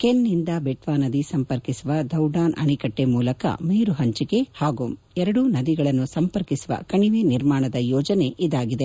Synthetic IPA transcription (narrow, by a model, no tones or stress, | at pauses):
kenːind̪ɐbeʈʋaːnɐd̪isɐmpɐɾkisuʋɐd̪ɐwɖaːnɐ̰ɳikɐʈːemuːlɐkɐ̰miːɾuɦɐɲt͡ʃike̞haːɡum | ɛɾɐɽunɐd̪iɡɐɭɐnːusɐmpɐɾkisuʋɐ̰kɐɳiʋeniɾmaːɳɐd̪ɐjɔːd͡ʒɐne̞ʔid̪aːɡid̪e